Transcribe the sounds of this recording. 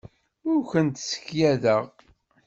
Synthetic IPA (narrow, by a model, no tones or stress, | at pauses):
ʊɾçənt̪sə̥çjæðəʁ